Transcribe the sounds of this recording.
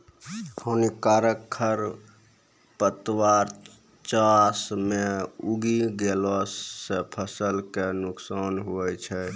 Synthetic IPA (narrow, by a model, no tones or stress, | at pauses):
hənikaɾəkʰəɾ | pət̪waɾ | t͡ʃasmeuɡiɡelɔsepʰəsəlkenuksanɦuɛt͡ʃʰɛ